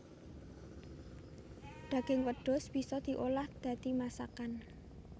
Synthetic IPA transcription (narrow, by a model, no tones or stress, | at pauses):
d̪̥ä̤ɡ̥ɪŋwəɖ̥ɔ̤sb̥i̤sɔd̪̥i̤ʔolahd̪̥ä̤t̪imasakan